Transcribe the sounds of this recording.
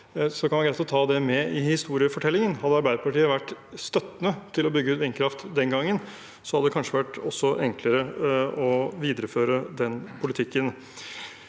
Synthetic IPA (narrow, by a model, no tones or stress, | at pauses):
sɔkʰɑnʋæɡɾæɪt̪ɔt̪ʰɑːd̪ɛmɛʔɪhɪst̪uːɾɪəfɔʈʰɛlːɪŋənhɑd̪əɑɾbæɪd̪əpɑʈiːəʋæʈː | st̪œt̪ːənət̪ʰɪlɔbʏɡːəʉːt̪ʋɪnkʰɾɑft̪d̪ɛnɡɑŋːən | sɔhɑd̪əd̪ɛkɑnʂəʋæʈːɔsːɔʔɛŋkləɾəɔʋiːd̪əɾəføːɾəd̪ɛnpʰʊlɪt̪ʰɪkːən